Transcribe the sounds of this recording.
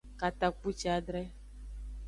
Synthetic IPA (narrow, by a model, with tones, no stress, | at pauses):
ka˨t̪a˨k͡pu˦t͡ʃi˦a˨ɖɾɛ˦